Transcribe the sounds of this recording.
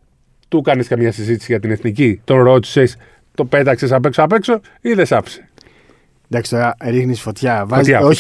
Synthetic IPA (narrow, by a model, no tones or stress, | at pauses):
t̪ukɐneskɐmɲɐsizit̪i̥siʝɐt̪ine̞θnicit̪o̞nɾo̞t̪i̥ses | t̪o̞pe̞t̪ɐksesap̬e̞ksoape̞kso̞ | iðesɐpse̥ | d̪ɐkst̪oɐɾixnisfo̞t̪çɐvɐt̪çɐo